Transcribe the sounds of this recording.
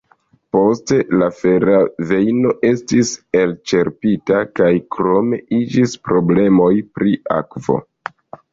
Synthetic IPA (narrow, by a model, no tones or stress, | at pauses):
po̞ste̞lafe̞ɾave̞jno̞ʔe̞stise̞lt͡ʃe̞ɾpitakajkɾo̞me̞ʔid͡ʒispɾo̞ble̞mo̞jpɾia̰kvo̞̰